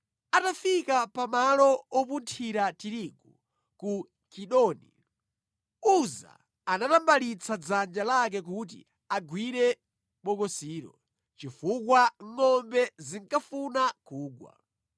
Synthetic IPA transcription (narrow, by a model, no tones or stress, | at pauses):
atafikapamalɔɔpuntʰiɾatiɾiɡu | ku | kʰiɗɔnḭ | uza̰ | anatambalit͡sʰad͡zand͡ʒalak̬ɛk̬ut̬ḭ | aɡwiɾɛ | ɓɔkɔsiːɾɔ̰ | t͡ʃifukwaŋ̩ŋɔmbɛziŋkafunakuːɡwa̰